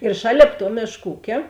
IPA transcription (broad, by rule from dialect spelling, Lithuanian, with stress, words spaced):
ɪr ˈʃɑːlʲeːp tuɔ ˈmʲeːʃk ˈuːkʲeː